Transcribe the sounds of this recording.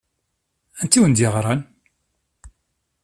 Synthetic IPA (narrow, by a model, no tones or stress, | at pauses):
ænt̪ːiwənd̪iʁɾˤɑn